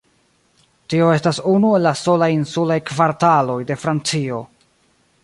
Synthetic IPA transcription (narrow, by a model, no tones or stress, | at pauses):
tio̞e̞stasunue̞lːaso̞lajinsulajkvaɾtalo̞jde̞fɾant͡sio̞